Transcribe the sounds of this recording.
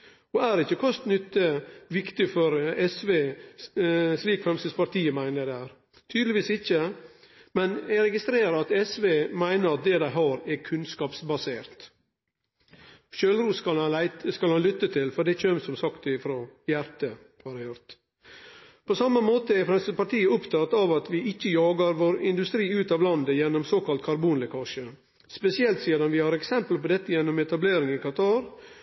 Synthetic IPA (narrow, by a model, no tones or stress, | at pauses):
ɔæɾɪçːəkʰɔst̪nʏt̪ːəʋɪkt̪ɪfɔɾɛsʋeː | sliːkfɾɛmst̪ispɑɾt̪ʰiːəmæɪnəd̪ɛæːɾ | t̪ʰyːd̪lɪʋiːsɪçə | mɛnɛɾɛɡɪst̪ɾeːɾəɑt̪ɛsʋeːmæɪnəɾɑt̪̚d̪ɛd̪æɪɦɑːɾɛkʰʉnskɑːpsbɑseːɾt̪ | ʃøːlɾuːs | skɑlhɑnlʏt̪ːət̪ʰɪlfɔɖ̪ɛt͡ʃømsɔmsɑkt̪ɪfɾɔjæɾt̪ə | hɑɾæɪhʉɾt̪ | pʰɔsɑmːəmoːt̪əɛfɾɑnsəpɑɾʈʰiːəɔpt̪ʰɑt̪ɑʋɑt̪ʰʋɪʔɪçːəjɑːɡɑɾʋoːɾɪnd̪ʉst̪ɾiːʉːt̪ɑʋlɑnd̪əjɛnːɔmsoːkɑlt̪̚kʰɑɾbuːnlɛkʰɑːʃə | spɛsɪɛlt̪siːɾɑnʋɪhɑːɾɛksɛmpəlpɔd̪ɛt̪ːəjɛnːɔmɛt̪ɑbleːɾɪŋɪkɑt̪ʰɑːɾ